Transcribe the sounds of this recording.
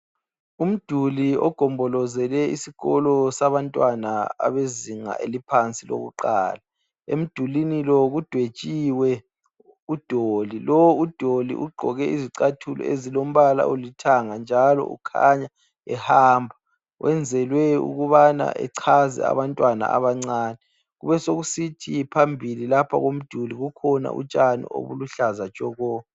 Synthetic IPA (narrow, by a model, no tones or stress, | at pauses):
um̩d̥ʱuliɔ̰ɡ̥ʱɔmbʱɔlɔzɛlɛisiɣɔlɔsaβantʼwanaa̰βeziŋa̰ʔelipʰant͡sʼilo̰ɣṵǃa̰ːla | ḛm̩d̥ʱulinilɔɣud̥ʱwe̥t͡ʃʼiwɛ | ud̥ʱolilɔwud̥ʱolḭʔuɡ͡ǃʱɔ̰ɣɛiziǀatʰulɔ̰ezilom̩βala̰ʔulitʰaŋand͡ʒʱalɔ̰ʔṵkʰaɲa | ɛhaːmbʱa | wʔɛnd͡zʱɛlwɛṵɣuβana̰ʔɛ̰ǀʰazɛ̰a̰βantʼwana̰a̰βaŋ͡ǀaːnɛ | ɣuβɛsoɣusitʰipʰambʱililapʰa̰ɣom̩d̥ʱuliɣukʰɔna̰ʔṵt͡ʃʼanḭo̰βuluɬazat͡ʃʼɔɣɔː